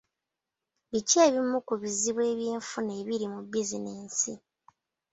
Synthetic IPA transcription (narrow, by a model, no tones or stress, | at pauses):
βiceːβimukuβiziβwe̞ːβjiːɱfune̞ːβiɾimubizineːnsḭ